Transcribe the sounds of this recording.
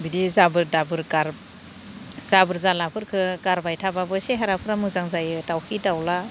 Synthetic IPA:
bidizabɯɾdabɯɾkaɾ | z̥abɯɾzalapʰɯɾkʰɯkaɾbajtʰababɯseɦaɾapʰɯɾamɯzaŋzajɯtawkʰidawla

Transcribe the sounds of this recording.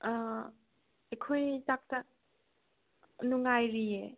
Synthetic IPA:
ekʰojtak̚tɐ | nuŋajɾie

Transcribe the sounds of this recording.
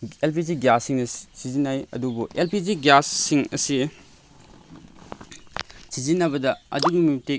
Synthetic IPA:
elp̬iziɡjasːiŋnɐssizinːajɐ̰dubuʔelpid͡ʒiɡjasːiŋɐ̰si | sizinːɐbɐdɐɐ̰duɡimite

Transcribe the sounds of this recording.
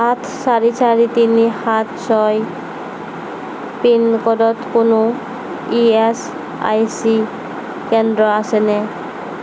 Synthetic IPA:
at̪ʰsaɹisʰaɹit̪inihat̪sɔj | pinkɔdɔt̪kono | ies | a̰jsi | kɛndɹɔasɛnɛ

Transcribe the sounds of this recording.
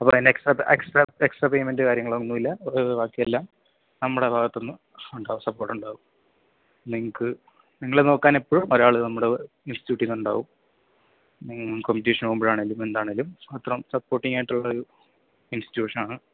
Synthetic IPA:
ɐpːoːinːeksʈrɐpeksʈraeksʈrapejmendɨkaːɾjɐŋːɐɭʋɐnːumilːɐoʋaːkːjɐjelːaːm | nɐmːuɽe̞bʱaːɣɐt̪ːo̞nːɨ | uɳɖaːɣumsɐpːo̞ːrʈːuɳɖaːɣum | niŋːɐkːɨ | niŋːɐɭeno̞ːkːaːne̞pːoɻumoɾaːɭɨnɐmːuɽe | insitjuːʈːiŋuɳɖa̰ːʋum | niŋːkompitiːʂɐnoumbiɻaːɳelːume̞nd̪aːɳelːumɐt̪rɐmsɐpːo̞ːrʈːiŋaːjʈːuɭːɐoɾu | insti̥tijuːʂɐnaːɳɨ

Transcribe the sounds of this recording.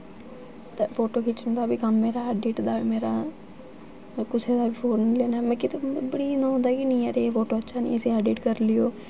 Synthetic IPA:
t̪efoːʈoːkʰɪt͡ʃʊnd̪aːbiːkəmːeːɾaːaːɖeːʈd̪aːimeːɾaː | kʊseːd̪aːbiːpʰoːnleːnaːmɛkɪt̪obəɽiːnõõːnd̪aːkɪnĩːɛɾeːfoːʈoːətːʃʰaːnḭ̃ːəsĩːaːɖeːʈkəɾlɪjoː

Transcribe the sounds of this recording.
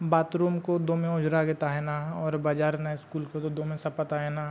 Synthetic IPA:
baːt̪ɾuːmkod̪oːmẽʊd͡ʒɾaɡet̪aɦɛnaɦɔːɾbaːd͡ʒaːɾnaɪskuːlkot̪od̪omẽsɐpət̪aɦɛnaɦ

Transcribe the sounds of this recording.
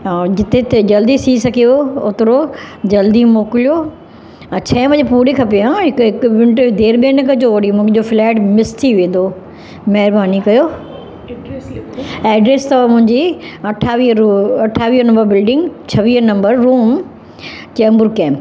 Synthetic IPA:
d͡ʑɪt̪ʰet̪ɐd͡ʑɐld̪isʰiːsɐkijoʊt̪ɪɾod͡ʑɐld̪imoːkɪlijo | t͡ɕʰɐ̃ːʋɐd͡ʑepuːɾekʰɐpijãːɦɪkɦɪkʊʋɪ̃ɳʈd̪eːɾɓẽːnəkəd͡ʑoːʋɐɽimʊ̃d͡ʑoːflɛːʈmɪst̪ʰiʋẽːnd̪oː | mɐɦɪɾbaːnikɐjoː | ɛːɖɾeːst̪ɐʋamʊ̃ɦɪ̃ɲd͡ʑiɐʈʰaːʋiɐʈʰːaːʋiːɦənɐ̃mbəɾbɪlɖɪ̃ŋɡt͡ɕʰɐʋiːənɐ̃mbəɾːuːm | t͡ɕɛːmbʊɾkɛ̃ːmp

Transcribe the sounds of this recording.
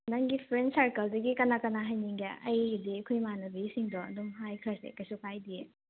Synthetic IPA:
naŋɡipʰɾensaɾkɐldɐɡikɐnakɐnaɦajniŋɡeɐjdiɐkʰujmanɐbisiŋdɔɐ̰dumɦajkʰlasḛkɐjsukʰajdie

